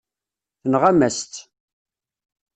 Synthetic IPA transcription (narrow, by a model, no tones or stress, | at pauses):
θənʁæmæst̪